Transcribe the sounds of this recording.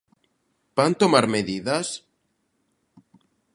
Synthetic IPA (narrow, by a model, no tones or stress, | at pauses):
b̥ant̪omaɾmeðiðas